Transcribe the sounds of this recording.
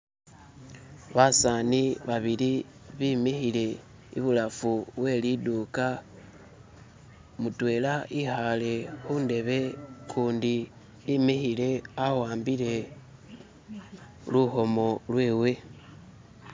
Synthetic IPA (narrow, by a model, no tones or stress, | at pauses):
βasaniβaβili | βimixile̞ | ḭβulafuβwe̞liduːka | mutwe̞ːlaʔixale̞xuːnde̞βe̞kʰuːndiː | mixile̞awaːmbile̞ | luxo̞mo̞lwe̞ːwe̞